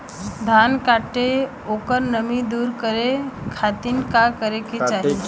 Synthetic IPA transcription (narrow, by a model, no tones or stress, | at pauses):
d̪ʱaːnkaːʈe | oːkəɾnəmid̪uːɾkəɾekʰaːt̪inkakəɾeket͡ʃaːɦie